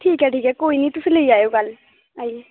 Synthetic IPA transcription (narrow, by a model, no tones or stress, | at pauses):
ʈʰiːkɦɛːʈʰiːkɛːkoːiːnĩːt̪ʊsĩːləiːaːjoːɡəl | aːi